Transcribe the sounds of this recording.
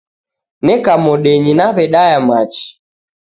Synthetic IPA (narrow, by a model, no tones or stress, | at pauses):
nɛkamɔɗɛɲinaβɛɗajamat͡ʃi̥